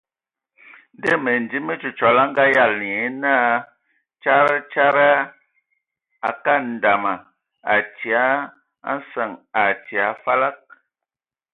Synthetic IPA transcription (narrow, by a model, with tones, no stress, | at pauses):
n˦de˦me˨n˨di˦me˦t͡ʃu˨t͡ʃɔ˨la˦ŋ˦ɡa˦ja˦˨le˨˦na˦ | t͡ʃa˦ɾa˦t͡ʃa˦ɾa˦ | a̰˨ka˦n̩˨da˨ma˨ | a˨ti˨a˨˦ | a̰˦n˦sə˦˨ŋa˨ti˨a˨˦fa˦la˦k̚